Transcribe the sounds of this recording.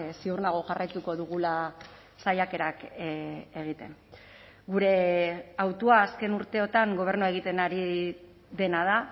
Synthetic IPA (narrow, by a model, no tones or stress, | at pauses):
siurnaɣ̞o̞ʝarʔajt̪uko̞ðuɣ̞ula | sajake̞ɾak | e̞ɣ̞it̪e̞̰n | ɡuɾe̞awt̪uaːske̞nuɾt̪e̞o̞t̪aŋɡo̞β̞e̞ɾnue̞ɣ̞it̪e̞naɾi | ðe̞nað̞a